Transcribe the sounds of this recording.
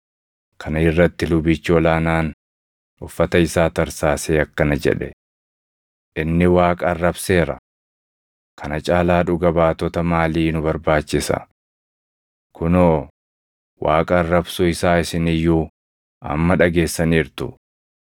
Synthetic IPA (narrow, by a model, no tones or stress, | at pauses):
kʰɐnɪrːɐt̪ːɪlʊbɪt͡ʃːɪɔlaːnaːn | ʊfːɐt̪ɐɪsaːt̪ɐɾsaːseːɐkːɐnɐd͡ʒɛ̰ᶑɛ | ʔɪnːɪwaːkʼɐɐrːɐbse̞ːɾɐ̰ | kʰɐnɐt͡ʃʼaːlaːᶑʊɡɐbaːt̪ɔt̪ɐmaːliːnʊbɐɾbaːt͡ʃːɪsɐ̰ | kʊnoː | wʔaːkʼɐrːɐbsʊɪsaːɪsɪnɪjːuː | ʔɐ̰mːɐᶑɐɡe̞ːsːɐniːɾt̪ʊ̰